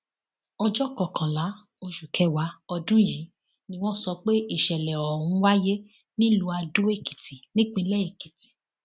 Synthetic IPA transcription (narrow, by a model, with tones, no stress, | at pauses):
ɔ˧d͡ʒɔ˦˨kɔ˨kʰã˨la˨˦ | o˧ʃu˨kʰɛ˧˦wa˨˦ɔ˧dũ˦ji˨˦ | nĩ˦w̃ɔ̃˦sɔ˧k͡pe˦i˦˨ʃɛ˨lɛ˨ɔ˨ɾũ˧˦wa˦je˦ | nĩ˦lu˧a˧do˦e˦˨ki̥˨ti˨nĩ˦ɡ͡bĩ˧lɛ˦˨i˨ki˨ti̥˨